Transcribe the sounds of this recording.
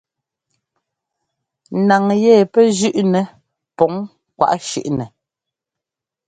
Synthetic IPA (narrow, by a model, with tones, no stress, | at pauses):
na˨ŋjɛː˦˨pɛ˦d͡ʒʉ˦ʔnɛ˨ | pɔ˨˦ŋ | kwa̰˨ʔʃʉ̰˦˨ʔnɛ˨